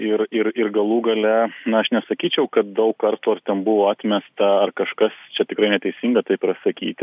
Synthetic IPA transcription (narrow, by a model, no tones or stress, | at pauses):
ɪrɪrɪrɡɐlˠuːɡɐlʲɛnɐɐʃnʲɛsɐkʲiːt͡ʃʲɛʊkɐt̪̚d̪ɐʊkkɐrt̪uːɐrt̪ʲɛnbʊʋoːɑːt̪ʲmʲɛst̪ɐɐrkɐʃkɐst͡ʃʲɛt̪ʲɪkɾɐɪnʲɛt̪ʲɛɪsʲiŋɡɐt̪ɐɪpɪɾɐsɐkʲḭːt̪ʲɪ